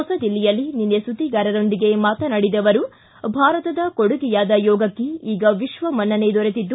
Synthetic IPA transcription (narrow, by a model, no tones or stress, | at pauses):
ɔsɐd̪ilːijɐlːininːesut̪iɡaːɾɐɾo̞nd̪iɡe̞maːt̪ɐnɐɽid̪ɐʋɐɾu | bʱaːɾɐt̪ɐd̪ɐkoɽuɡijaːd̪ɐjɔːɡɐkːiiːɡɐʋiʃʋɐmɐnːɐne̞d̪ɔɾet̪id̪ːu